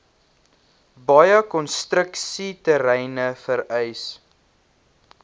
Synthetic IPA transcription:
bɑjəkɔnstɾəksitəɾɛjnəfəɾɛjs

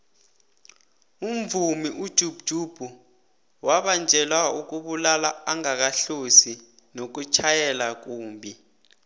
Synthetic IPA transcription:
um̩vumiʔud̥ʒ̥ʱub̥̚ʒ̥ʱub̥ʱu | waɓand͡ʒʱɛlwauk̬uɓulalaaŋak̬aɬosi | nok̬ut͡ʃʰajɛlak̬uːmbʱi

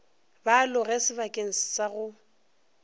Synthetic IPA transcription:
balʊɣɛsɪbakʼeŋ̩sɪ̥saɣʊ

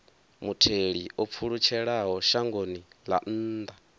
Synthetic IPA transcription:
mutʰeɺiʔop̪fʰuɺut͡ʃʰɛɺaɦɔʃaŋɡonila̰n̩ːd̪a

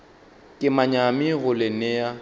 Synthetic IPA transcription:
kʼɪmaɲamɪɣʊlɪnɛja

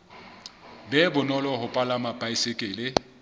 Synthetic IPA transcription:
bɛbʊnɔlɔhʊpʼalamapʼaisɪkʼɪːlɪ

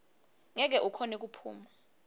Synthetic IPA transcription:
ŋɛk̬ɛʔukʰɔnek̬upʰṵːma

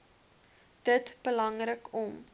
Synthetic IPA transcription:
d̥ətb̥əlɐŋrəkɔm

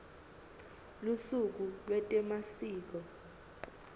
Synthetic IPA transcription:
lusuk̬ulwɛtʼɛmasiːk̬ɔ

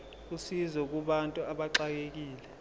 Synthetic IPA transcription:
k̬ʼusizɔk̬ʼuɓantʼuaɓaǁak̬ʼek̬iːlɛ

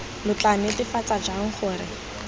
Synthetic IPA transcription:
lʊt͡ɬanɪtɪfat͡sad͡ʒaŋ̩χʊːrɪ

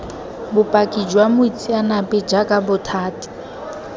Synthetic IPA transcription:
bʊpʼakʼid͡ʒwamʊit͡sʰʼianapɛd͡ʒakʼabʊtʰaːtʼi̥

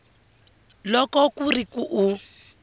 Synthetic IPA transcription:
lɔkɔkurikuʔu

